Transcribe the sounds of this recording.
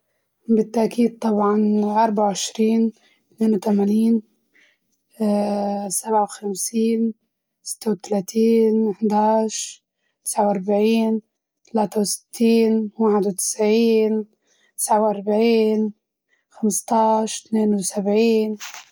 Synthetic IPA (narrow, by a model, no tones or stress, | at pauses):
bɪt̪ːaʔkiːd̪̚t̪ˤːɑbʕɑnʔɑɾˤbaʕawʕɪʃɾiːn | t̪neːnwt̪amaniːn | sabʕawxamsiːn | sɪ̥t̪ːawt̪alaːt̪ʰiːnɪħd̪aːʃ | t̪ɪ̥sʕawʔɑɾˤbaʕiːn | t̪alaːt̪awsɪ̥t̪ːiːnwaːħɪd̪wt̪ɪ̥sʕiːn | t̪ɪ̥sʕawʔɑɾˤbaʕiːn | xamst̪ˤɑːʃt̪neːnwsabʕiːn